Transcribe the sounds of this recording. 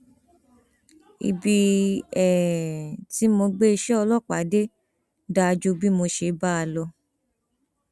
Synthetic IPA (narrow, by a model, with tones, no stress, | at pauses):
ḭ˧bi˧ɛ˨ti˨˦mo˧ɡ͡be˦i˧ʃɛ˦ɔ˧lɔ˦k͡pa˨˦de˦ | da˧d͡ʒu˧bi˦mo˧ʃe˧˦ba˦a˧lɔ˧